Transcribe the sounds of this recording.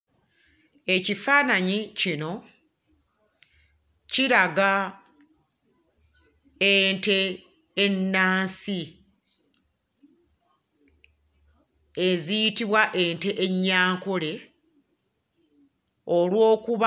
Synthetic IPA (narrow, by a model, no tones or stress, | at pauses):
e̞cifaːnaɲicino̞ | ciɾaɡa | ente̞ː | nːaːnsi | ezijitiβwaʔe̞ːnte̞ʔeɲːaːŋkole̞ | olwo̞ːkuβa